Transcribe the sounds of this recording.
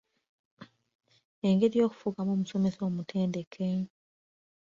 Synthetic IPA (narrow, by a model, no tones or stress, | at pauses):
e̞ŋɡe̞ɾijo̞ːku̥fuɡamoːmuso̞me̞so̞ːmutʰeːnde̞kʰe